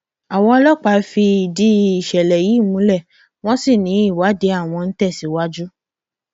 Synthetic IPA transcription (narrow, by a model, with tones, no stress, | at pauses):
a˨w̃ɔ̃˧ɔ˧˦lɔ˦k͡pa˧˦fi˧i˨di˦i˨ʃɛ˨lɛ˨ji˨˦˨mũ˨˦lɛ˦˨ | w̃ɔ̃˦si˦˨nĩ˨˦i˦˨wa˨˦de˨˦a˦˨w̃ɔ̃˧n̩˦tɛ˦˨si˨˦wa˦d͡ʒu˦